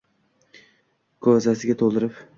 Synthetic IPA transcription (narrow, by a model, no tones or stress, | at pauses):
kʰozasɪɡʲat̪ʰolˠd̪ɪɾɪp